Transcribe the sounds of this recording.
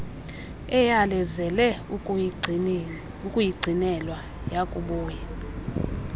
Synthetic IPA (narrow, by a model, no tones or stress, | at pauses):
ɛjalɛzɛlɛ | ukʼujiɡ͡ǀʱinɛlwa | jakʼuɓuːjɛ